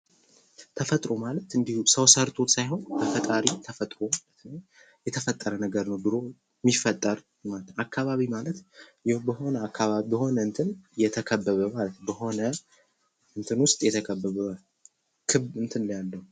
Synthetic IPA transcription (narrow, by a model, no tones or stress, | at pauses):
t̪ʰəfət̪ʼɾo̞malət̪ɨnd̪ihusəwsəɾt̪ʰʼo̞t̪sajɦo̞nbʰəfət̪ʼaɾit̪ʰəfət̪ʼɾo̞malət̪nəw | jɛt̪ʰəfət̪ʼːəɾənəɡəɾnəwbɨɾo̞ | mifət̪ʼːəɾ | mat̪ːakʰːaβaβimalət̪jɛbəho̞nəakʰːaβaβibəho̞nəɨnt̪ʰɨnjɛt̪ʰəkʰəbːəβəmalət̪nwbəho̞nə | ɨnt̪ʰɨnwʊst̪ʼjɛt̪ʰəkʰəbːəβə | kʰɨβɨnt̪ʰɨnljalːəw